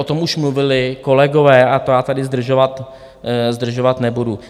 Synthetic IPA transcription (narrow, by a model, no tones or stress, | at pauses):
ot̪o̞mʔuʃmluvɪlɪko̞lɛɡo̞vɛːat̪ojaːt̪adɪzd̪r̩ʒovat̪ | zd̪r̩ʒovat̪nɛbudu